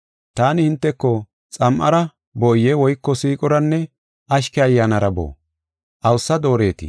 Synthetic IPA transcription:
t̪aːnɪhɪnt̪ːɛkːɔ | t͡sʼɐmʔɐ̰ɾɐ | bɔjːɛwɔjkːɔsiːkʼɔɾɐnːɛ | ɐʃkɛɐjːaːnɐɾɐbo̰ː | ʔɐwsːɐd̪o̞ːɾe̞ːt̪ɪ̰

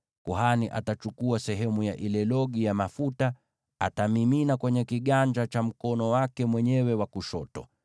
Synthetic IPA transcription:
kuhaniʔa̰tat͡ʃukuasɛɦɛmujaʔilɛlɔɠijamafuta | atamiminakwɛɲɛkiɠaɲd͡ʒat͡ʃam̩kɔnɔwakɛmwɛɲɛwɛwakuʃɔtɔ

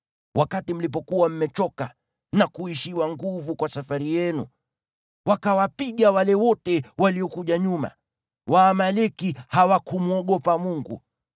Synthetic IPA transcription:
wakatim̩lip̬ɔkuwam̩mɛt͡ʃɔka | nakuiʃiwaŋɡuvukwasafaɾijɛnṵ | wakawapiɠawalɛwɔtɛwaliɔkuʄaɲuma̰ | waːmalikihawakumuɔɠɔpamuŋɡṵ

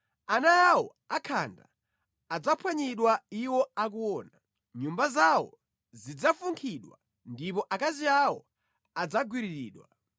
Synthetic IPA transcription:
anajawɔ̰ | akʰa̰nda̰ | ad͡zapʰwaɲiɗwaiwɔak̬uwɔːna | ɲumbazawɔ̰ | zid͡zafuŋkʰiɗwa̰ | ndipɔʔakaziawɔ | ad͡zaɡwiɾiɾiːɗwa̰

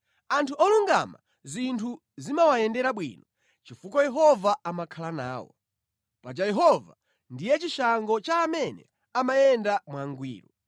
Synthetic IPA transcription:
antʰuɔluŋɡa̰ma̰ | zintʰu | zimawajɛndɛɾaɓwḭnɔ | t͡ʃifukɔjɛɦɔvaːmakʰalana̰ːwɔ̰ | pad͡ʒajɛɦɔva̰ | ndijɛt͡ʃiʃaŋɡɔt͡ʃaːmɛnɛ̰ | amajɛndamwaŋɡwḭːɾu

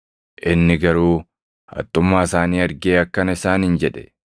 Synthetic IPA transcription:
ʔɪnːɪɡɐɾuː | hɐ̰t̪ʼːʊmːaːɪsaːniːɐɾɡeːɐkːɐnɪsaːnhɪnd͡ʒɛᶑɛ̥

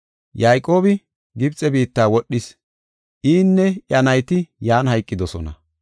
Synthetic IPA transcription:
jaːjkʼo̞ːbɪ | ɡɪbt͡sʼːɛbiːt̪ːaːwɔɗːɪs | ʔiːnːɛʔjɐnɐjt̪ɪjaːnhɐjkʼːɪd̪ɔsɔnɐ̰

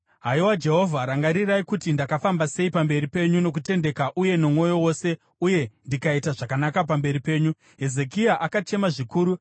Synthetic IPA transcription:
ɦaiwad͡ʒe̞ɦo̞vʱaɾaŋɡaɾiraikutindakafambase̞ipambe̞ɾipe̞ɲuno̞k̬ute̞nde̞kaʔuje̞nomwo̞jo̞wo̞ːse̞ | uje̞ndikaitaʐakanakap̬ambe̞ɾipe̞ːɲu | ɦe̞ze̞kiaʔakat͡ʃe̞maʐikuːɾu

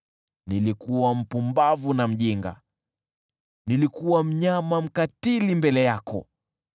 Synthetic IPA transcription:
nilikuwam̩pumbavunam̩ʄiŋɡa̰ | nilikuwam̩ɲamam̩katilimbɛlɛjakɔ̰

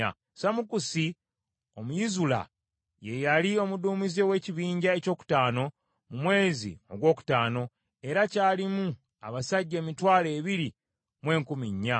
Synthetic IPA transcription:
a̰ | samukusi | o̞mujizula̰ | je̞jalio̞muduːmizewe̞ːciβiːɲɟae̞co̞ːku̥taːno̞ | mumwe̞ːzḭo̞̰ɡwo̞ːku̥taːno̞ | e̞ɾacaːlimu | a̰βasaɟːe̞ːmitwaːle̞ːβiɾi | mwe̞ːŋkumiɲːa

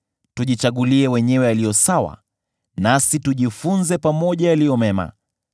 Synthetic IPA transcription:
tuʄit͡ʃaɠuliɛwɛɲɛwɛalijɔsawa̰ | nasituʄifunzɛpamɔʄajalijɔmɛma̰

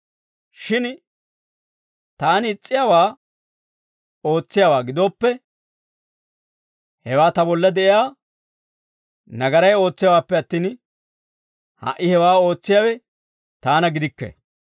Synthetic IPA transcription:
ʃɪn | t̪aːnɪt͡sʼːɪjaːwaː | o̞ːt͡sːɪjawaːɡɪd̪oːpːɛ | hɛwaːt̪ɐbɔlːɐd̪ɛʔɪjaː | nɐɡɐɾɐjo̞ːt͡sːɪjawaːpːɛɐt̪ːiːn | hɐ̰ʔɪhɛwaːo̞ːt͡sːɪjawɛ | t̪aːnɐɡɪd̪ɪkːɛ̰

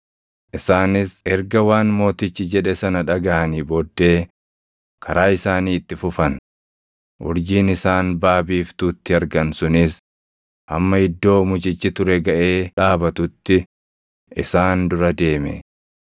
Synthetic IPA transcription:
ʔɪsaːnɪsɛɾɡɐwaːnmo̞ːt̪ɪt͡ʃːɪd͡ʒɛᶑɛsɐnɐᶑɐɡɐʔɐniːbɔːd̪ːe̞ː | kʰɐɾaːɪsaːniːɪt̪ːɪfʊfɐn | ʔʊ̰ɾd͡ʒiːnɪsaːnbaːbiːft̪ut̪ːɪɐɾɡɐnsʊnɪs | ʔɐmːɐhɪd̪ːo̞ːmʊd͡ʒɪt͡ʃːɪt̪ʊɾɛɡɐʔe̞ːᶑaːbɐt̪ʊt̪ːɪ | ʔɪ̰saːnd̪ʊɾɐd̪e̞ːmɛ̰

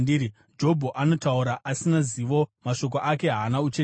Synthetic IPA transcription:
diɾi | d͡ʒo̞bʱoʔano̞tauɾaʔasinaziʋo̞maʃo̞k̬oʔake̞ɦaːnaut͡ʃe

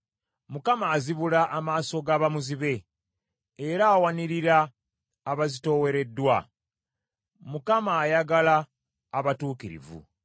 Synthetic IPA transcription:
mukamaːziβulaʔːmaːso̞ɡaːβamuziβe̞ː | ɾaːwaniɾiɾaː | βazito̞we̞ɾe̞dːwa | mukamaːjaɡalaː | βatuːkiɾḭvṵ

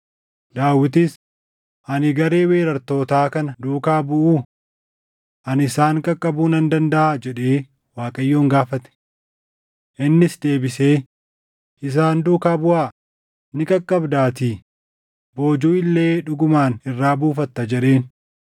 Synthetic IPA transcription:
d̪aːwːɪt̪is | ʔɐnɪɡɐɾe̞ːwe̞ːɾɐɾt̪o̞ːt̪aːkɐnɐd̪uːkaːbʊʔuː | ʔɐnɪsaːŋkʼɐkʼːɐbuːnɐnd̪ɐnd̪ɐʔaːd͡ʒɛᶑe̞ː | waːkʼɐjːoːŋɡaːfɐt̪ɛ̥ | ʔɪnːɪsd̪e̞ːbɪse̞ː | ʔɪs̬aːnd̪uːkaːbʊʔaː | nɪkʼɐkʼːɐbd̪aːt̪iː | bo̞ːd͡ʒuːɪlːe̞ːᶑʊɡʊmaːnɪrːaːbuːfɐt̪ːɐd͡ʒɛᶑe̞ːn

